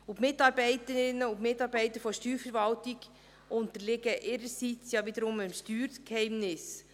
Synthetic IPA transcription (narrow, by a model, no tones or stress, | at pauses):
ʊpmɪtɑɾbɛɪtəɾɪnəʊtmɪtːɑːɾbɛɪtəɾfɔʃtyːɾfəɾvɑltiɡ | ʔʊntəlɪɡəʔɪɾəɾsit͡sjɑvid̪əɾʊmɪmʃtyːɾkhɛɪmnɪs